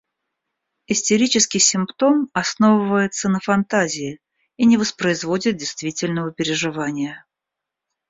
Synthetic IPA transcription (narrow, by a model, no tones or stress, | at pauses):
ɪsʲtʲɪɾʲit͡ɕɪskʲɪjsʲɪmpt̪o̞mɐsno̞vəvəjɪt̪sənəfɐnt̪azʲɪɪ | inʲɪvəspɾəɪzvo̞dʲɪt̪̚dʲɪjst̪vʲitʲɪlʲnəvəpʲɪɾʲɪʐɨvanʲɪjə